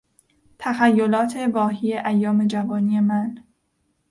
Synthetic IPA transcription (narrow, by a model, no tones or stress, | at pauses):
t̪ʰæxæjːo̞lɒːt̪ʰe̞bɒːɦiːje̞ʔæjːɒːme̞d͡ʒævɒːniːje̞mæn